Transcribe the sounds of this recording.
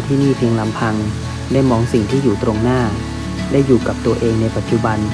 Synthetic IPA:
t̪ʰiː˥˩niː˥˩pʰi˧ŋla˩˦mpʰa˧ŋ | daː˥˩jmɔː˧ŋsi˨˩ŋt̪ʰiː˥˩juː˨˩t̪ɾo˧ŋnaː˥˩ | daː˥˩jːuː˨˩ka˨˩p̚t̪u˧ɐʔeː˧ŋna˧jpa˨˩t̪̚t͡ɕu˨˩ba˧n

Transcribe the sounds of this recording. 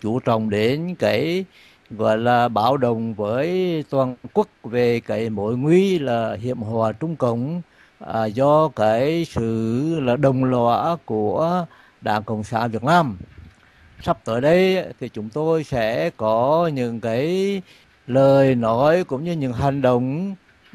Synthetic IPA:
t͡ɕu˧˦t͡ɕə̰˧˨wŋ͡mɗe˨˦nkaː˨˦j | ɣɔ̰˧˨jlaː˨˩ɓaː˧˩wɗə˨wŋ͡mvəː˨˦jt̪waː˨˩nnkwə˦˥k̚ve˨˩kaː˨˦jmo˧˩˦jŋwi˧laː˨˩hḭ˧˨əmɦwaː˨˩t͡ɕʊ˧ŋ͡mkə˧˨wŋ͡m | zɔ˧kaː˨˦jsɨ̰˧˨laː˨˩ɗə˨˩wŋ͡mlwa̰˧˥ku˧˩ə | ɗa̰ː˧˩ŋkə̰˧˩wŋ͡msa̰ː˧˥˦nvi˨˩ək̚naː˧m | sa˦˥p̚t̪əː˨˦jɗə˧jt̪ʰi˨˩t͡ɕʊ˨˦ŋ͡mt̪o˧jsɛ̰˧˥kɔ˨˦ɲɨ̰˧˥ŋkaː˨˦j | ləː˨˩jnɔ˨˦jkʊ̰˧˥ŋ͡mɲɨ˧ɲɨ̰˧˥ŋɦa˨˩jŋ̟ɗə̰˧˨wŋ͡m

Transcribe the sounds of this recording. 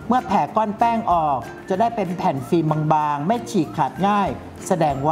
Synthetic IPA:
mɯ˥˩ɐpʰɛː˨˩˦kɔː˥˩npɛː˥˩ŋʔɔː˨˩k̚ | t͡ɕa˨˩daː˥˩jpe˧npʰɛ˨˩nfiː˧mːa˧ŋbaː˧ŋma˥˩jt͡ɕʰiː˨˩kʰːa˨˩t̪̚ŋaː˥˩j | sa˧dɛː˧ŋwa˦

